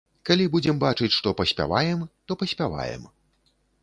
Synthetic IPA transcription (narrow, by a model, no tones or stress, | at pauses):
kalʲibud͡zʲɛmbat͡ʂɨt͡sʲʂt̪ɔpɐsʲpʲa̰vajɛmt̪ɔpɐsʲpʲava̰jɛ̰m